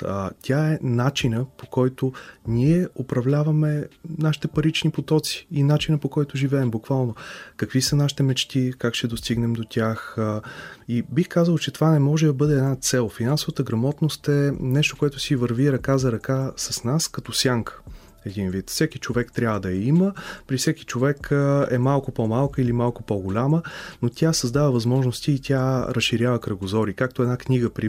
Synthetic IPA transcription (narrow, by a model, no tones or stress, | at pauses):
t̪ʲʰaɛnat͡ʃinəpokɔjt̪oniɛopɾɐvlʲavɐmɛnaʃi̥t̪ɛpɐɾit͡ʃnipot̪ɔt̪si̥inat͡ʃinəpokɔjt̪ʊʒivɛːmbukvalˠnokɐkvisənaʃi̥t̪ɛmɛt͡ʃt̪ikakʃɛd̪ost̪iɡnɛmd̪ot̪ʲax | ibixkazəlˠt͡ʃɛt̪ovanɛmɔʒɛd̪ɐbɤd̪ɛːd̪nat̪sɛlˠfinansovət̪əɡɾɐmɔt̪nost̪ɛnɛʃt̪o̥koɛt̪ʊsivəɾviɾɐkazɐɾɐkasɐsnaskɐt̪ɔsʲjaŋkʰə̥ | ɛd̪invit̪fsɛkit͡ʃovɛkt̪ɾʲabvəd̪ɐɛiməpɾifsɛki̥t͡ʃovɛkʰəɛ̰malˠkʊpomalˠkəilimalˠkʊpoɡolʲamənot̪ʲasɐzd̪avəvɐzmɔʒnost̪iːt̪ʰʲaɾɐsʃiɾʲjavəkɾɐɡozɔɾikak̚t̪oɛd̪nakniɡəpɾi